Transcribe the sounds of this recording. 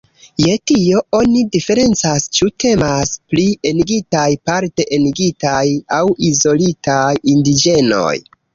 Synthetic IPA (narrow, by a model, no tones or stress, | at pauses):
je̞tio̞o̞nidife̞ɾe̞nt͡sast͡ʃute̞masplieniɡitajpaɾte̞ʔeniɡitajawizo̞litajindid͡ʒe̞no̞̰j